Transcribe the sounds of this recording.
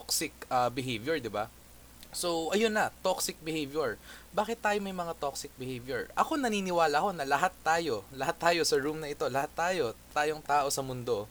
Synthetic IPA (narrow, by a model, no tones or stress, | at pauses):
ksɪkɐbɪɦejvjɛɹd̪ɪba | so̞ʔɐjonːɐt̪oksɪk̚bɪhejvjɛɹbaːkɪt̪ːaːjomɐjmɐŋat̪oksɪk̚bɪhejvjɛɹʔɐko̞nɐniːnɪwaːlɐho̞nɐlɐɦat̪ːaːjo̞lɐhat̪ːaːjo̞sɐɹumnɐʔɪt̪o̞lɐhat̪ːaːjo̞t̪aːjo̞ŋt̪aːʔo̞sɐmʊnd̪o̞